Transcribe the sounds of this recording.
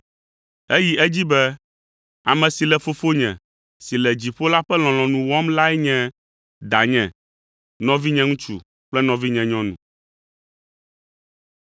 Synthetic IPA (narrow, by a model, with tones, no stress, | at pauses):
e˦ji˦ʔɛ˦d͡ʑi˦bɛ˦ | a˨mɛ̃˨si˨lɛ˨fo˦fo˦ɲɛ̰̃˨ | si˨lɛ˨d͡ʑi˨ɸo˦la˦ɸɛ˦l̃ɔ̃˨lɔ̃˨nũ˨wɔ˦mla˦ɛ˦ɲɛ̃˦ | d̪a˨ɲɛ̃˨ | nɔ̃˦vi˦ɲɛ̃˦ŋũ˦t͡ʃṵ˨ | k͡plɛ˦nɔ̃˨vi˦ɲɛ̃˨ɲɔ̃˦nṵ̃˨